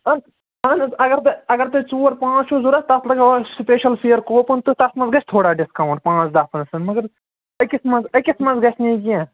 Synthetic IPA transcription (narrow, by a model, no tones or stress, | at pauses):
ɐn | ɐnɐɡɐɾt̪ɨɐɡɐɾt̪ɨt͡ʃoːɾpãːt͡ʃʰuzuɾɐst̪ɐslɐɡaspeːʃɐlpʰijəɾkoːpɨnt̪ut̪ɐsmɐ̃nzɡɐt͡ʃʰʲt̪ʰoːɽaːɖɪskaːwɳʈ̚pãːt͡ʃd̪aːpʰɐnsɐnmɐɡɐɾ | ɐkismɐnzɐkismɐnzɡɐt͡ʃʰnĩːɡijãː